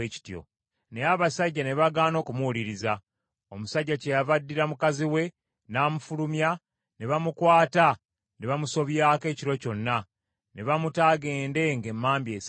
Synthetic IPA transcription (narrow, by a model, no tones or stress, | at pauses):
eci̥tjo̞̰ | neaβasaɟːane̞βaɡaːno̞ːkumuuliɾiza | o̞musaɟːacejavadːiɾamukaziwe̞ | naːmufulumja | neβamukwaːta | neβamuso̞βjaːke̞ːciɾo̞co̞nːa | ne̞βamutaːɡe̞ːnde̞ŋɡe̞mːaːmbje̞s